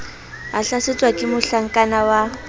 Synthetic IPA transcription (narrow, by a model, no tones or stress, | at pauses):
aɬaset͡sʼwakʼɪmʊɬaŋ̩kʼanawa